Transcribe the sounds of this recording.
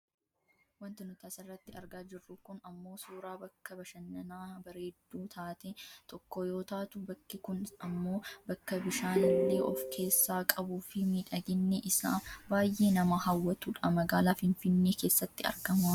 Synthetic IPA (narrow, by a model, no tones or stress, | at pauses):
wɐnt̪ɪnʊt̪aːsɪrːɐt̪ːɪɐɾɡaːd͡ʒɪrːʊkʊnɐmːo̞ːsuːɾaːbɐkːɐbɐʃɐnːɐnaːbɐɾeːd̪ːuːt̪ʰaːt̪ɛt̪ʰɔkːɔjo̞ːt̪aːt̪ʊbɐkːɪkʊnɐmːo̞ːbɐkːɐbɪʃaːnːɛʔɔfkʰe̞ːsːaːkʼɐbuːfɪmiːᶑɐɡɪnːɛʔɪsa̰ːbaːjʔe̞ːnɐmahɐwːɐt̪uᶑɐmɐɡaːlaːfɪnfɪnːeːke̞ːsːɐt̪ːɪɐ̰ɾɡɐmɐ